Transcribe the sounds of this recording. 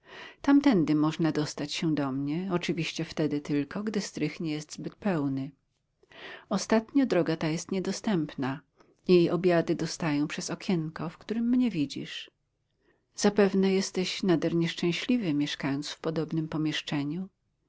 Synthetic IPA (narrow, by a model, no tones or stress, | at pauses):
t̪amt̪ɛnd̪ɘmɔʐnad̪ɔst̪at͡ɕɕɛd̪ɔmɲɛɔt͡ʂɘvʲiɕt͡ɕɛft̪ɛd̪ɘt̪ɘlkɔɡd̪ɘst̪ɾɘxɲɛjɛst̪zbɘt̪̚pɛwnɘ | ɔst̪at̪ɲɔd̪ɾɔɡat̪ajɛst̪ɲɛd̪ɔst̪ɛmpna | jejʔɔbʲjad̪ɘd̪ɔst̪ajɔ̃w̃pʂɛzɔkʲʰɛŋkɔfkt̪uɾɘmːɲɛvʲid͡ʑḭʂ | z̥apɛvnɛjɛst̪ɛɕnad̪ɛɾɲɛʂt͡ʂɛ̃w̃ɕlʲivɘmʲjɛʂkajɔnt̪sfpɔd̪ɔbnɘmpɔmʲjɛʂt͡ʂɛɲu